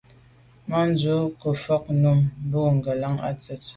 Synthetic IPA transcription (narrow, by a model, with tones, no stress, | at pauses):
ma˦n˦d͡zo˨˦kə˨fɔ˦k̚nu˦˨m˦bo˦˨ŋ̩˨ɡə˨la˦ŋa̰˦t͡sɛ˨t